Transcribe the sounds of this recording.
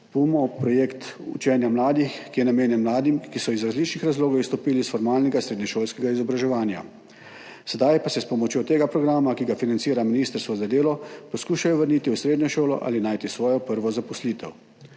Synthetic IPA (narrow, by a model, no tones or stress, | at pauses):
pumɔpɾɔjeːkt̪ṵt͡ʃɛnjamlaːd̪ixkijɛnameːnjɛnmlaːd̪imkisɔizɾazlit͡ʃnixɾazloːɡaist̪ɔpiːlisfɔɾmaːlnɛɡasɾeːd̪njɛʃoːlskɛɡaizɔbɾaʒɛʋaːnja̰ | sɛd̪ajpasɛspɔmɔt͡ʃjoːt̪eːɡapɾɔɡɾaːmakiɡafinant̪siːɾaminiːst̪əɾst̪ʋɔzad̪eːlɔpɔskuːʃajɔʋəɾniːt̪iusɾeːd̪njɔʃoːlɔ̰ʔa̰ːlinaːjt̪isʋɔːjɔpəɾʋɔzapɔsliːt̪ʰɛ̰w